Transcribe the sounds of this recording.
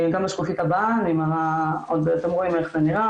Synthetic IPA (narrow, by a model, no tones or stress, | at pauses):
ɡamaʃkufit̪abaanimaʁaod̪at̪emʁo̞imeχzeniʁa